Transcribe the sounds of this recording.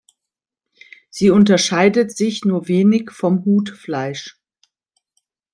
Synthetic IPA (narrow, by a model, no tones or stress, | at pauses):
z̥iːʊntɐʃaɪdətz̥ɪçnuːɐveːnɪçfɔmhuːtflaɪʃ